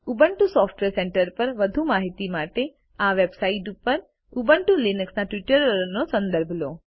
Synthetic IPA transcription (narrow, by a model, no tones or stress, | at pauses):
ubəɳʈusɔfʈʋeɾseɳʈəɾpəɾʋəd̪ʱumaɦit̪imaʈe | aʋebsaiʈupəɾ | ubəɳʈulinəksnaʈʋiʈəɾɾnosə̃nd̪əɾbʱlo